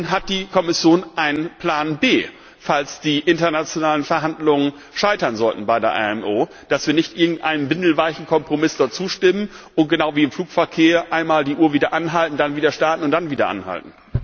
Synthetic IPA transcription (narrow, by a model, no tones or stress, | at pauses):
nɦat̚d̥iːkʰɔmɪsjoːnʔaɪnənpʰl̥aːnbeː | falsd̥iːʔɪntɐnat͡sjonaːlənfɛɐɦandlʊŋən | ʃaɪtɐnzɔltn̩baɪdeːɐʔa̰ːɛmʔoː | d̥asv̥iːɐnɪçtʔɪɐɡŋ̩tʔa̰ɪnənbɪndl̩vaɪçn̩kʰɔmpʁ̥omɪsd̥ɔɐt̚t͡suːʃtɪmən | ʔʊnt̚ɡ̥ənaʊviːɪmfluːkfɛɐkʰeːɐʔaɪnmaːldiːʔuːɐviːdɐʔanɦaltn̩d̥anviːdɐʃtaɐtn̩ʊntd̥anviːdɐ̰ʔa̰nha̰ltn̩